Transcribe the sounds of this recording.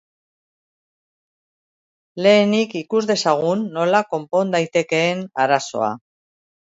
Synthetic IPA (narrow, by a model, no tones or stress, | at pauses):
le̞ːnikikuzðe̞saɣ̞unːo̞lako̞mpo̞nd̪ajt̪e̞ke̞ːnaɾaso̞̰a̰